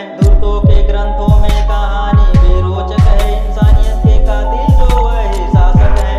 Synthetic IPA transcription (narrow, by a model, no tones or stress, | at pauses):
d̪ʊɾt̪õːkeːɡɾɐ̃nt̪ʰõːmẽkaːɦaːniːʋeːɾoːt͡ʃəkɐɦeɪnsaːnijət̪̚keːkaːd̪iːnd͡ʒoːʋɐeɦɪsaːsət̪ɦɛː